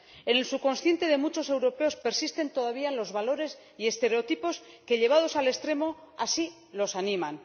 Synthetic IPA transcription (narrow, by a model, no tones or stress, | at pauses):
e̞ne̞lsuko̞nsθje̞nt̪e̞ðe̞mut͡ʃo̞sewɾo̞pe̞o̞spe̞ɾsist̪e̞nt̪o̞ðaβiaenlo̞zβalo̞ɾe̞s | ie̞st̪e̞ɾe̞ot̪ipo̞ske̞ʎe̞β̞að̞o̞sale̞st̪ɾe̞mo̞ | asi | lo̞sanĩman